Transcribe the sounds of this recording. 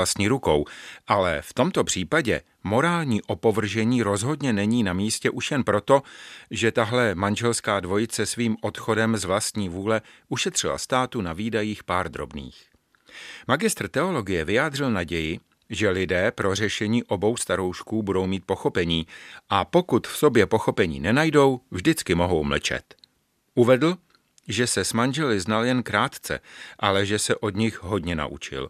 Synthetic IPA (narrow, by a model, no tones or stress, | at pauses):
ast̪ɲiːɾuko̞wʔalɛ̰ft̪o̞mt̪o̞pr̝̥iːpaɟɛ̰ | mo̞ɾaːlɲiːʔo̞po̞vr̩ʒɛɲiːɾo̞zɦo̞dɲɛnɛɲiːnamiːscɛʔuʃjɛnpɾo̞t̪o̞ʒɛt̪aɦlɛmanʒɛlskaːdvo̞jɪt͡sɛsviːmʔo̞t̪xo̞dɛmzvlast̪ɲiːvuːlɛʔuʃɛt̪r̝̥ɪla̰st̪aːt̪unaviːdajiːxpaːɾd̪ɾo̞̰bnḭːx | maɡɪst̪r̩t̪ɛo̞lo̞ɡɪjɛvɪjaːd̪rɪlnaɟɛjɪ | ʒɛlɪdɛːpɾo̞r̝ɛʃɛɲiːʔo̞bo̞wst̪aɾo̞wʃkuːbudo̞wmiːt̪̚po̞xo̞pɛɲiːʔapo̞kut̪fso̞bjɛpo̞xo̞pɛɲḭːnɛnajdo̞wvʒdɪt͡skɪmo̞ɦo̞wml̩t͡ʃɛ̰t̪ | ʔuvɛdl̩ | ʒɛsɛsmanʒɛlɪznaljɛnkɾaːt̪t͡sɛ̰ʔalɛʒɛsɛʔo̞dɲɪxɦo̞dɲɛna̰ʔṵt͡ʃɪ̰l